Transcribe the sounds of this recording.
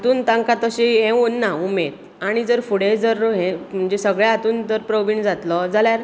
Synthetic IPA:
t̪uːnt̪ãŋkat̪əɕiɦẽʋunːaumed̪ | aɽ̃id͡zəɾfuɽed͡zəɾɦẽm̤əɳd͡ʑesəɡɭjaat̪uːnd͡zəɾpɾəʋiɳd͡zat̪lɔd͡zaljaɾ

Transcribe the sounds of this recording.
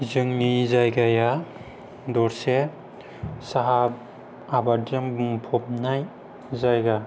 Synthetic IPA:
zɯŋnizajɡaja | dɔɾse | saɦab̚ | abaɾdambŋpʰɔp̚naj | zajɡa

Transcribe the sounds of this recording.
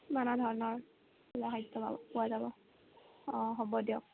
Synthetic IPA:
manadʱɔɹɔnɔɹ | laɦajtːɔba̰bɔpuazabɔ | ɔɦɔbɔdiɔk

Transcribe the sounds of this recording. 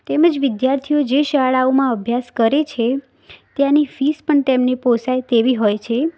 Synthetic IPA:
t̪eməd͡ʒʋɪd̪jaɾt̪ʰijod͡ʒeʃaɭaomãəbʱjaskəɾet͡ʃʰe | t̪janifispəɳt̪emneposajt̪eʋiɦojt͡ʃʰe

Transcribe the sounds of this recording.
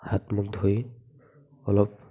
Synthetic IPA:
hatmuk̚dʱoj | ɔlɔp̚

